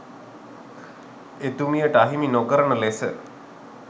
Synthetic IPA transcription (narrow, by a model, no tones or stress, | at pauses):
et̪umijəʈaɦiminokəɾəɳəlesə